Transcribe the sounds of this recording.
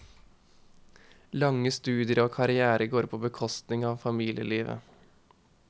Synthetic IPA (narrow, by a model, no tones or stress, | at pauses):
lɑŋəst̪ʉːd̪ɪəɾoːkʰɑɾɪæːɾəɡoːɾpʰoːbəkʰɔst̪nɪŋɑːʋfɑmiːlɪə̰liːʋə̰